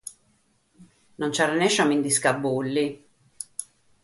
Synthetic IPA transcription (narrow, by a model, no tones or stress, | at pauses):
nont͡ʃaɾanɛʃamind̪iskabulːi